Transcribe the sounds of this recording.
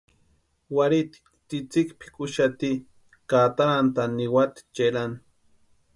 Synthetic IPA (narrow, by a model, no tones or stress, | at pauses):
waɾit̪i̥ | t͡sit͡sikpi̥kʼʊʃat̪i | kat̪aɾant̪aniwat̪i̥t͡ʃelan